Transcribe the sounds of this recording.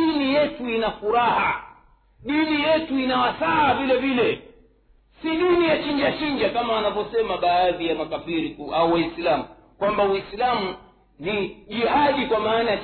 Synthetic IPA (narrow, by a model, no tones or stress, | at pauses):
inijɛtuinafuɾaha | ɗinijɛtuinawasaːvilɛvilɛ | siɗinijat͡ʃiɲd͡ʒat͡ʃiɲd͡ʒakamaːnavɔsɛmaɓaːðijamakafiɾikuʔauwaisilamu | kwambawislamu | niʄihaɗikwamaːnaja